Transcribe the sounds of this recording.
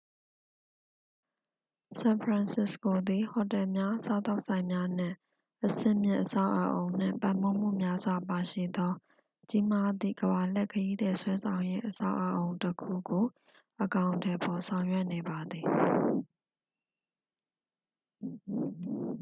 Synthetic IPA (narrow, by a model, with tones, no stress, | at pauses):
sã˨npʰɹã˨nsɪ˦sko˨d̪i˨hɔ˨tɛ˨mja˦sa˨t̪a˦ʊʔsʰã˨ɪ̃mja˦n̥ɪ̰̃˦˨ | ʔəsɪ̰̃˦˨mjɪ̰̃˦˨ʔəsa˦˨ʊʔə˨ʔo˨ʊ̃n̥ɪ̰̃˦˨mpã˨m̥o˦˨m̥ṵ˦˨mja˦zwa˨pa˨ʃḭ˦˨d̪ɔ˦ | t͡ɕi˦ma˦d̪ḭ˦˨ɡəba˨l̥ɛ˦˨ʔkʰəji˦d̪ɛ˨swɛ˦sʰã˨ʊ̃je˦ʔəsa̰˦ʊʔə˨ʔõ˨ʊ̃ntəkʰṵ˦˨ɡo˨ | ʔəkã˨ʊ̃ntʰɛ˨pʰɔ˨sʰã˨ʊ̃jwɛ˦ʔne˨ba˨d̪ði˨